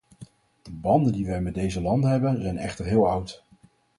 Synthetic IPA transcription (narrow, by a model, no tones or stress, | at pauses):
d̥əbɑndəndiʋɛjmɛd̚dejzəlɑndəɦɛbənzɛjnɛ̰χtəɹɦɪːlˠʌwt